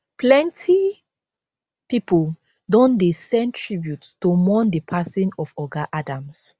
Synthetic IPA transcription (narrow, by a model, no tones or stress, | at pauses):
plɛ̃ntʰi | pipol | dɔ̃ndesɛ̃ntʰɹibjuttomɔ̃ndəpʰasĩnɔfɔɡaʔadãms